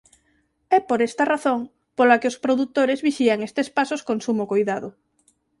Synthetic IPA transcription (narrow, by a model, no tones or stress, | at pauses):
ɛpoɾest̪araθoŋ | polakeospɾoðut̪ːoɾezβiʃiaŋest̪espasoskonsumokojðaðʊ